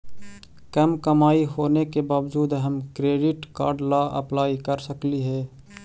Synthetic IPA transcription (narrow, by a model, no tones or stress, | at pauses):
kəmkəmaːiɦoːnekebaːwd͡ʒuːd̪ɦəmkɾeːɖɪʈka̰ːɾɖlaʔə̰plaːikəɾsəkliɦɛː